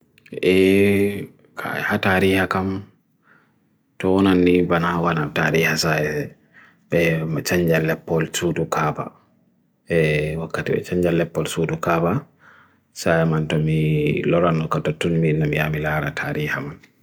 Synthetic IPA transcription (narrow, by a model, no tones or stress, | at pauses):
ʔɛ | kʰa̰hataːɾiːhakam | tɔwɔnanːibanawanataːɾiːhasajɛ | ɓɛmat͡ʃaɲd͡ʒalːɛpːɔlsuːdukʰaːba̰ | ɛwakːatiɓɛ̰t͡ʃaɲd͡ʒalːɛpːɔlsuːdukaːba | sajɛmantɔmilɔɾanːɔkatatːunminːamijamilaːɾatʰaːɾiːhaman